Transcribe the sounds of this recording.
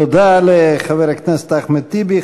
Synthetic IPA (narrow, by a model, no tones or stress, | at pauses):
od̪aleχaveɾhaknɛse̥t̪aχmet̪ibi